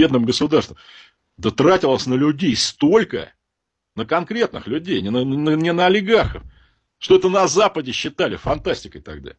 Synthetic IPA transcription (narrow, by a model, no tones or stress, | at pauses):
ed̪nɨmɡəsʊd̪arst̪vəm | d̪ət̪ɾatʲɪlˠəsʲnəlʲʉdʲejst̪o̞lʲkə̰ | nəkɐnkɾʲe̞t̪nɨ̰xlʲʉdʲejnʲɪnənənʲɪnəɐlʲɪɡarxəf | ʂt̪oɛt̪ənɐzapədʲɪɕːɪt̪alʲɪ̰fɐnt̪asʲtʲɪkəjt̪ɐɡ̚d̪a̰